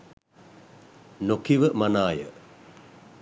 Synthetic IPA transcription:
nokiʋəmanaːjə̰

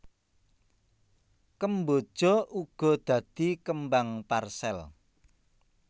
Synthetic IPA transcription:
kəmbo̥ʒ̥ɔ̤ʔuɡ̥ɔ̤d̪̥ä̤d̪̥ikəmbaŋparsɛl

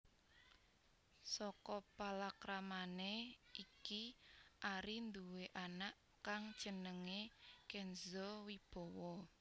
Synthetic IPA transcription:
sɔkɔpalakɾamaneʔikiʔaɾind̪uweʔanaʔ | kaŋ̥ʒ̥ə̤nəŋekɛnzɔwib̥ɔ̤wɔ

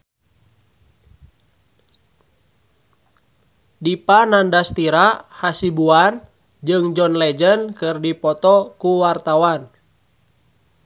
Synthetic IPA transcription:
dipanandast̪iɾahasibuan | d͡ʒɨŋd͡ʒɔnlɛd͡ʒənkɨrdipɔt̪ɔkuwart̪awan

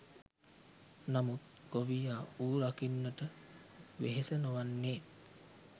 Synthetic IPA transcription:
namut̪̚ | ɡ̥oʋijaːuːɾakinːəʈə | ʋḛɦesənoʋanːeː

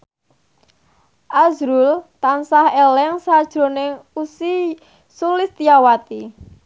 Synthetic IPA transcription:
ʔazɾult̪ansahɛlɛŋsad̥ʒ̥ɾo̤nɪŋusi | sulɪst̪iawat̪i

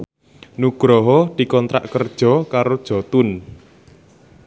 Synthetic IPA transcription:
nuɡ̥ɾɔɦɔd̪̥i̤kɔnt̪ɾa̰ʔkərd̥ʒ̥ɔ̤kaɾod̥ʒ̥ɔ̤t̪ʊn

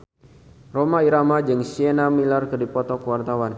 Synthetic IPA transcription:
romaiɾamad͡ʒɨŋsienamilarkɨrdipɔt̪ɔkəwart̪awan

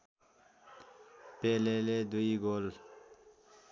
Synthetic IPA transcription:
peːleːled̪uiɡoːl

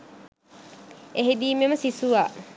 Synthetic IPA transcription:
eɦid̪iːmeməsisuʋaː

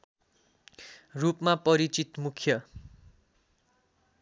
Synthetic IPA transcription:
rupmapʌɾit͡sit̪mukʰjʌ

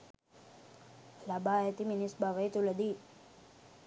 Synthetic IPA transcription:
labaet̪iminisbaʋəjt̪uləd̪i

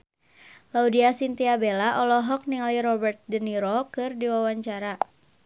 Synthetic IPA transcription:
laudiasint̪iabelaʔɔlɔɦɔk̚niŋaliɾɔbərt̪̚dəniɾɔkɨrdiwawaɲt͡ʃaɾa

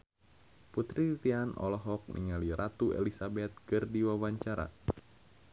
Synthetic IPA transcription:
put̪ɾit̪ianʔɔ̰lɔɦɔk̚nʔḭŋaliɾat̪uḛlisabɛt̪̚kɨrdiwawaɲt͡ʃaɾa̰

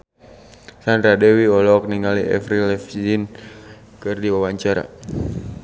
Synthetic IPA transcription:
sandɾadɛwiɔlɔk̚niŋaliʔɛ̰fɾilɛfd͡ʒin | kɨrdiwawaɲt͡ʃaɾa̰

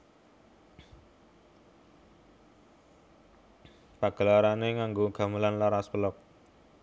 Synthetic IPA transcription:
paɡ̥ə̤laɾaneŋaŋɡoɡ̥a̤məlanlaɾaspəlɔk̚

